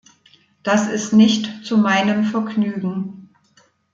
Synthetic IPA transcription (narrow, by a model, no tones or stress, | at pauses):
d̥asɪstnɪçtt͡sumaɪnəmfɛɐɡnyːɡŋ̩